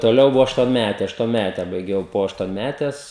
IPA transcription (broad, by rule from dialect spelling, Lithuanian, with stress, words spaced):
toːˈlʲɛʊ ˈbʊʋɐ ɐʃtuɔnʲˈmʲætʲɛ ɐʃtuɔnʲˈmʲætʲɛ bɐɪˈɡʲɛʊ poː ɐʃtuɔnʲˈmʲætʲɛs